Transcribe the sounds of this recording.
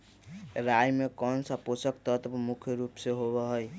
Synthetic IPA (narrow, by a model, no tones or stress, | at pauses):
ɾajmekɔnsaposəkt̪ʌt̪pmukʰjəɾupseɦoβʌɦɔj